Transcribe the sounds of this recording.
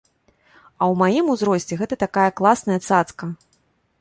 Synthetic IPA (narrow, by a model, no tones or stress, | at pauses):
ɐwmajimuzɾɔsʲt͡sʲɛɣɛt̪ɐt̪akajɐklˠasnɐjɐt̪sat̪skɐ